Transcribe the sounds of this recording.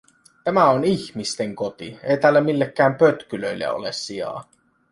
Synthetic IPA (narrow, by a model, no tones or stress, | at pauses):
t̪æmæoniçmist̪eŋkot̪ḭejt̪æːlːæmilːekːæːmpøt̪kyløilːḛo̰lesːiɑ̰ː